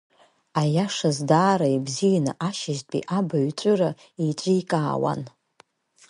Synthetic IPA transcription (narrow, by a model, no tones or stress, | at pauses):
ajaʂazdaːɾaibzijana̰ʔaʃaztʷʼḭʔabaɥʷʼɨra | it͡ʃʷʼijkʼaːwa̰n